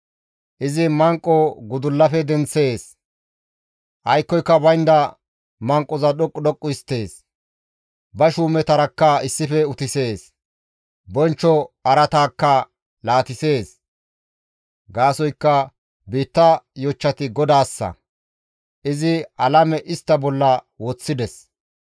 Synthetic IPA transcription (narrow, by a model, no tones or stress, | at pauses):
ʔɪzɪmɐŋkʼːɔɡʊd̪ʊlːɐfɛd̪ɛnt͡sːe̞ːs | ʔɐjkːɔjkːɐbɐjnd̪ɐ | mɐŋkʼːɔzɐɗɔkʼːɗɔkʼːʊɪst̪ːe̞ːs | bɐʃuːmɛt̪ɐɾɐkːɐɪsːɪfɛʊt̪ɪse̞ːs | bɔnt͡ʃːɔɐɾɐt̪aːkːɐ | laːt̪ɪse̞ːs | ɡaːsɔjkːɐ | biːt̪ːɐjɔt͡ʃːɐt̪ɪɡɔd̪aːsːɐ̰ | ʔɪzɪɐlɐmɛʔɪst̪ːɐbɔlːɐ | woːt͡sːɪd̪ɛs